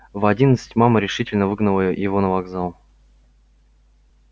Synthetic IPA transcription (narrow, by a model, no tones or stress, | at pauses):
vɐdʲinət̪sɨ̥tʲmaməɾʲɪʂɨtʲɪlʲnəvɨɡnəlˠəjəjɪvonəvaɡzalˠ